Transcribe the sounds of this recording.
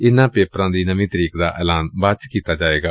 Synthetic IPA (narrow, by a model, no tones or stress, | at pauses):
ɪnːãːpeːpɾãːd̪iːnəmĩːt̪əɾiːkd̪a̰ːʔɛ̰ːlaːnbat͡ʃkiːt̪aːd͡ʒaːeːɡaː